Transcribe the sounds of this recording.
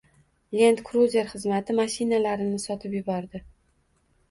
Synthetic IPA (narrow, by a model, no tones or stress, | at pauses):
lʲe̞nt̪kɾuzʲe̞ɾχɨzmat̪ʰɪmaʃɪnalaɾɪnɪsɒt̪ʰɪpjɪbɒɾd̪ɪ